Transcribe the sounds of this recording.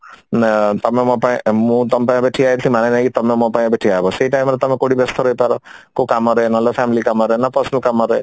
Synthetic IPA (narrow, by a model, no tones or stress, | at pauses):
nɛt̪ɔmemɔpaĩmũt̪ɔmpãbeʈʰiaet̪ʰĩmanenakit̪ɔmemɔpaĩbeʈʰiaɦbɔseʈajmɾet̪ɔmekoɽibest̪ʰɔɾɔipaɾɔkokamɔɾəenalɔfʰɛmilikamɔɾəenapəɾsnəlkamɔɾəe